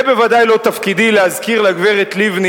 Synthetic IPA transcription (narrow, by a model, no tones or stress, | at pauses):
be̞vad̪ajlo̞t̪afkid̪ilehazkiʁlaɡveʁet̪livni